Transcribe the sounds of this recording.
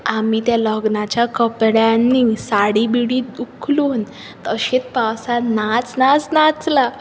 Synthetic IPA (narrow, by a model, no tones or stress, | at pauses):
amit̪jaləɡnat͡ɕjakəpɽjanːisaɽibiɽiːd̪ukʰluːn | t̪əɕet͡spawsanat͡snat͡snat͡sla